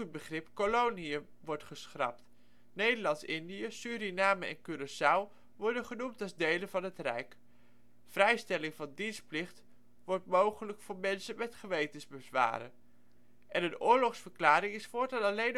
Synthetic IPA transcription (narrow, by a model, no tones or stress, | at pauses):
ət̚bəχrɪpkolowniə | ʋɔɹtχəsχrɑ̰p̚t | nejdəɹlɑntsɪndijəsyːɾinaːməɛ̰nkyɾəsaw | ʋɔɹdənχənumtɑlˠzdejlənvɑnɦətrɛ̰jk | frɛjstɛlɪŋvɑndinsplɪχt | ʋɔɹtmowχələkfʊːɹmɛnsənmɛtχəʋejtənzbəzʋa̰ːɾə̰n | ʔɛnənʊːɹlɔχsfəɹklaːɾɪŋɪsfʊːɹtɑlɑlejn